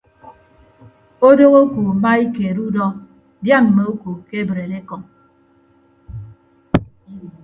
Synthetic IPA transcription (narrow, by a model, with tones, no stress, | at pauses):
o˦do˦ɣo˦ku˨ma˦i˦ke˨ɾu˦dɔ˦ | dja˦˨m̩˨me˨o˦ku˨ke˦bɾe˨de˦kɔ˨ŋ